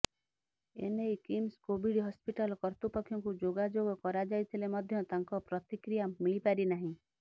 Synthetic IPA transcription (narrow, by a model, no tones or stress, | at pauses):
ḛnejkimskobiɽɦɔspiʈalɔkɔɾt̪upɔkʰːjɔŋkud͡ʒoɡad͡ʒoɡɔkɔɾad͡ʒajt̪ʰilemɔd̪ʱjɔt̪aŋkɔpɾɔt̪ikɾijamiɭipaɾinaɦĩ